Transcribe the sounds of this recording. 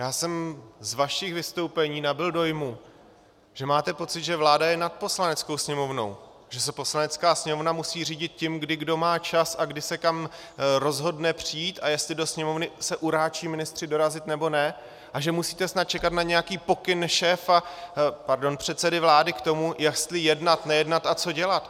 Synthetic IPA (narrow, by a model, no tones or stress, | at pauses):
jaːsɛmzvaʃixvɪst̪o̞wpɛɲiːnabɪldo̞jmu | ʒ̥ɛmaːt̪ɛpo̞t͡sɪt̪ʒɛvlaːdajɛnat̪̚po̞slanɛt͡sko̞wsɲɛmo̞vno̞̰w | ʒ̥ɛsɛpo̞slanɛt͡skaːsɲɛmovnamusiːriːɟɪt̪̚cɪmɡdɪɡdo̞maːt͡ʃasaɡdɪsɛkam | ɾo̞zɦo̞dnɛpr̝̥ɪjiːt̪ajɛst̪lɪdo̞sɲɛmo̞vnɪsɛʔuɾaːt͡ʃiːmɪnɪst̪r̝̥ɪdo̞ɾazɪt̪nɛbo̞nɛ | ʔaʒɛmusiːt̪ɛsnat̪̚t͡ʃɛkat̪naɲɛjakiːpo̞kɪnʃɛːfapaɾdo̞npr̝̥ɛt̪sɛdɪvlaːdɪkt̪o̞mujast̪lɪjɛdnat̪nɛjɛdnat̪ʔat͡so̞ɟɛlat̪